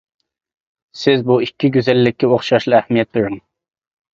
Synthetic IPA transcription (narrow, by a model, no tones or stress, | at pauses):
sɪzbuikʲːiɡʲyzɛlːɪkʲːioχʃɑʃlˠɑæhmijɛt̪̚ʰɨɾʊŋ